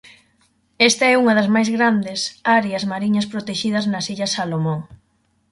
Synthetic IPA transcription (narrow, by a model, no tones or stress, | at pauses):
ɛst̪ɐɛuŋɐðɐzmajzɣɾand̪esaɾeɐzmaɾiɲɐspɾot̪eʃiðɐznɐsiʎɐsalomõŋ